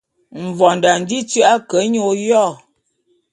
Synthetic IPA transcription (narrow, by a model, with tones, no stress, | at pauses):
m̩˨vɔ˨n˨da˨n̩˨di˦t͡sʉ˦ʔa˦kə˨˦ɲo˦˨jɔ˦˨